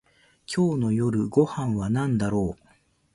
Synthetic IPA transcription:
kʲʰo̞ːno̞jo̞ɾɯ̟ɡo̞hãɰ̃βanãnd̪aɾo̞ː

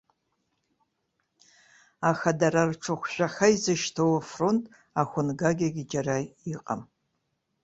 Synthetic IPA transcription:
axadaɾarʈ͡ʂʰɨχʷʃʷᶣaxaizɨʃtʰowafrontʼ | axʷʊnɡaɡʲaɡʲɪd͡ʒarajiqʼa̰m

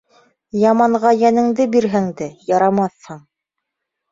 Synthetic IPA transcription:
jɑmɑɴʁɑjænɘ̆ŋd̪ɘbiɾɦɘŋd̪ɘjɑɾɑmɑθhɤɴ

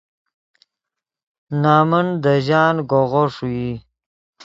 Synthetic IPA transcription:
nɑːmənd̪əʑɑːnɡoɣoʂuji

